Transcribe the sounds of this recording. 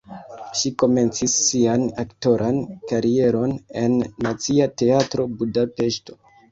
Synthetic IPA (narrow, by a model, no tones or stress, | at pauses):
ʃiko̞me̞nt͡sisːianakto̞ɾʔankaɾie̞ɾo̞ne̞nːat͡siate̞atɾo̞budape̞ʃto̞̥